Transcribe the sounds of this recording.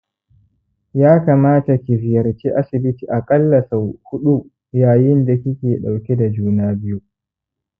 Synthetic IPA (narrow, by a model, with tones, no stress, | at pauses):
jaː˦kaː˨maː˦ta˨kʲi˨ɸɪ˨jɐ˨ɾt͡ʃiː˦ʔa˦sɪ˨bɪ˦tiː˨ʔa˨kʼɐ˦lːɐ˨sa˨hʊ˦ɗu˦ | jaː˨jɪ˦nda˨kʲɪ˦kʲeː˨ɗa˨wkʲe˦da˨d͡ʒuː˦naː˦bɪ˦ju˦